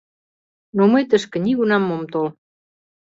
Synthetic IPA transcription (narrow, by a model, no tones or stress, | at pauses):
nomɤjt̪əʃkə̆niɣunɑmːomt̪ol